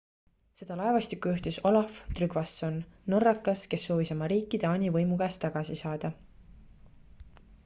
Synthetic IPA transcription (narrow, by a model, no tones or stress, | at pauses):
se̞d̪̥ɑlɑevɑst̪ikːˑuyht̪iso̞lɑft̪ryɡ̥vɑsːo̞nːo̞rːɑkːˑɑske̞sːo̞ːvisɑmɑɾiːkːˑid̪̥eɑːnʲivɤjmuɡ̥ɑst̪ːɑɡ̥ɑsisɑːd̪̥ɑ